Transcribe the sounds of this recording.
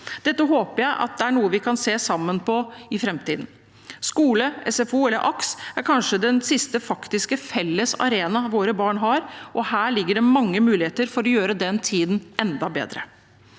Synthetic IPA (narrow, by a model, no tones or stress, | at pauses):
d̪̥ɛt̪ːəɦoːpəjæɪʔɑ̰t̪̚d̪ɛæɳuːəʋɪkʰɑnseːsɑmːənpʰɔɪfɾɛmt̪iːd̪n̩ | skuːləɛsɛfuːɛlːəɾʔɑksæɾkʰɑnʂəd̪ɛnsɪst̪əfɑkt̪ɪskəfɛlːəsɑ̰ɾeːnɑʋoːɾəbɑːɳɦɑɾʔɔhæːɭɪɡːəɖɛmɑŋːəmʉːlɪheːt̪əɾfɔɾɔjøːɾəd̪ɛnt̪ʰiːd̪n̩ʔɛnd̪ɑbḛːd̪ɾə̰